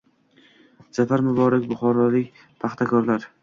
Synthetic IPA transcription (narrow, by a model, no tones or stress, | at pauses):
d͡ʒafaɾmʊbɒɾakʲbʊχɒɾɒlɪkʲ | p̪ʰaχt̪ʰakʰɒɾlaɾ